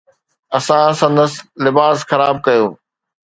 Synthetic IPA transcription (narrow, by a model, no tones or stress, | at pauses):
ɐsãsɐ̃nd̪əslɪbaːsxɐɾaːb̚kɐjoː